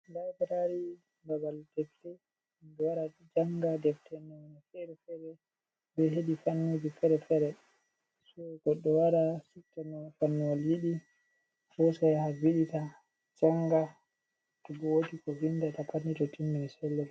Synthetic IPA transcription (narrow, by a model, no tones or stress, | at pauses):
dabɾaɾi | ɡabaldɛftɛ | mbɛwaɾa | d͡ʒaŋɡadɛftʰɛnɔwnɛfɛɾɛfɛɾɛ | bɛɦeɗifanːod͡ʒifɛɾɛfɛɾɛ | sɔɡɔɗːɔwaɾasɛktanɔfanːɔwaljiɗi | fɔsajhaviɗita | d͡ʒaŋɡa | tɔbɔwotikɔvindatapʰanitɔtʰimːinisɛlːɛ